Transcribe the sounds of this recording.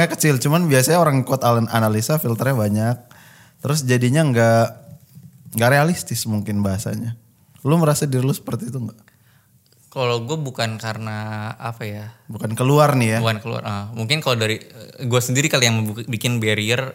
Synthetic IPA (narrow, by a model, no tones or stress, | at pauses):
akət͡ʃɪlt͡ʃumanbiasaɲaoɾaŋkɔt̪aləna̰nalisafilt̪ərɲabaɲak̚ | t̪əɾʊsd͡ʒadiɲaŋɡa | ŋɡaʔɾealist̪ɪsmuŋkɪnbaɦasa̰ɲa | luməɾasadiɾilusə̥pərt̪iːt̪uŋɡa | kaloɡuabukankarnaapajabukankəluarnɪjaakəlṵa̰rəmuŋkɪnkalodaɾiɡuasəndiɾikalijaŋməbikɪnbeɾiər